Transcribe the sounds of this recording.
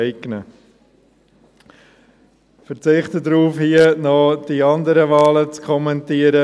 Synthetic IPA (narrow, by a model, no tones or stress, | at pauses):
ɛɪɡnə | fəɾt͡sɪχtədɾuːfhiənɔd̥iɑndəɾəvɑːlət͡skʰɔmɛntiːəɾə